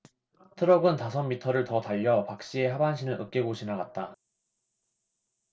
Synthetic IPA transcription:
tʰɯɾʌɡɯntasʰʌmːitʰʌɾɯɭtʌtaʎːʌpak̚ɕ͈ie̞ɦabanɕʰinɯɭʔɯk̚k͈eɡoɕʰinaɡat̚t͈a

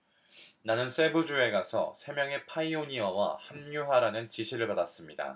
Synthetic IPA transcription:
nanɯns͈e̞bud͡ʑue̞ɡasʰʌ̰sʰe̞mjʌŋe̞pʰaioɲiʌwa̰hamɲuɦaɾanɯnt͡ɕiɕʰiɾɯɭpadas͈ɯmɲida̰

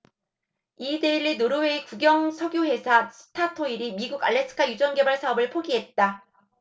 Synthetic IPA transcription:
ideiɾːinoɾɯweikuɡjʌŋsʰʌɡjohe̞sʰasʰɯ̥tʰatʰoiɾimiɡuɡaɭːe̞sʰɯ̥kʰajud͡ʑʌnɡe̞baɭsʰaʌbɯɭpʰoɡiɦe̞t̚t͈a

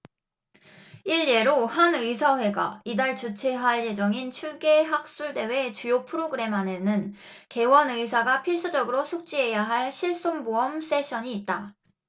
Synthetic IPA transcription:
iɭje̞ɾohanɯisʰawe̞ɡa̰idaɭt͡ɕut͡ɕʰeɦaɭje̞d͡ʑʌŋint͡ɕʰuɡe̞ɦak̚s͈uɭde̞we̞t͡ɕujopʰɯɾoɡɯɾe̞mane̞nɯn | ke̞wʌnɯis̬ʰaɡapʰiɭs͈ud͡ʑʌɡɯɾosʰuk̚t͡ɕ͈iɦe̞jaɦaɭɕʰiɭs͈omboʌms͈e̞ɕʰʌɲiːt̚t͈a

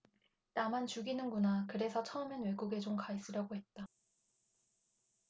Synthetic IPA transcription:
namant͡ɕuɡinɯnɡunakɯɾe̞sʰʌt͡ɕʰʌɯmjʌnwe̞ɡuɡe̞t͡ɕomkais͈ɯɾjaɡoɦe̞t̚t͈a

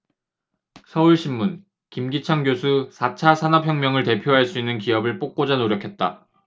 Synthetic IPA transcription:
sʰʌuɭɕʰimːun | kimɡit͡ɕʰaŋɡjosʰusʰat͡ɕʰasʰanʌp̚ʰjʌŋmjʌŋɯɭte̞pʰjoɦaɭs͈uinːɯnkiʌbɯɭp͈ok̚k͈od͡ʑanoɾjʌkʰe̞t̚t͈a

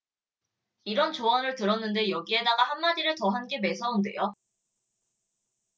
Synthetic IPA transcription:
iɾʌnt͡ɕoʌnɯɭtɯɾʌnːɯnde̞jʌɡie̞daɡahanmadiɾɯɭtʌɦanɡe̞me̞sʰʌunde̞̰jo

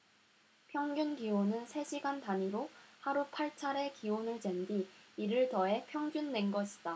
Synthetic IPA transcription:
pʰjʌŋɡjunɡionɯnsʰe̞ɕʰiɡantaɲiɾohaɾupʰaɭt͡ɕʰaɾe̞kionɯɭt͡ɕe̞ndiiɾɯɭtʌe̞pʰjʌŋd͡ʑunːe̞nɡʌɕʰi̥d̥a

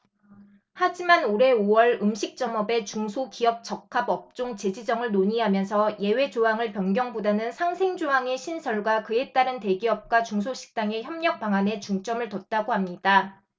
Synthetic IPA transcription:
had͡ʑimanoɾe̞owʌɭɯmɕʰik̚t͡ɕ͈ʌmʌbe̞t͡ɕuŋsʰokiʌp̚t͡ɕ͈ʌkkʰabʌp̚t͡ɕ͈oŋt͡ɕe̞d͡ʑid͡ʑʌŋɯɭnoɲiɦamjʌnsʰʌje̞we̞d͡ʑoɦaŋɯɭpjʌnɡjʌŋbodanɯnsʰaŋsʰe̞ŋd͡ʑoɦaŋe̞ɕʰinsʰʌɭɡwakɯe̞t͈aɾɯnte̞ɡiʌp̚k͈wat͡ɕuŋsʰoɕʰi̥k̚t͈aŋe̞çjʌmɲʌk̚p͈aŋane̞t͡ɕuŋt͡ɕ͈ʌmɯɭtʌt̚t͈aɡohamɲida

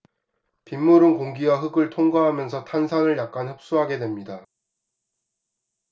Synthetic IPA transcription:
pimːuɾɯnkoŋɡiwaɦɯɡɯɭtʰoŋɡwaɦamjʌnsʰʌtʰansʰanɯɭjak̚k͈anhɯp̚s͈uɦaɡe̞dwe̞mɲida

